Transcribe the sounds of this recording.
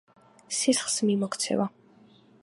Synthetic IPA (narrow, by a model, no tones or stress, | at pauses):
sisχsmimɔkʰt̪sʰɛ̰va